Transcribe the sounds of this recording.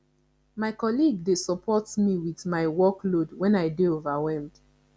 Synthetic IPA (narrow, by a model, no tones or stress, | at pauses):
maɪkɔliɡ̚desɔpʰɔtmiwiðmaɪwɔklodwɛ̃naɪdeovawɛ̃md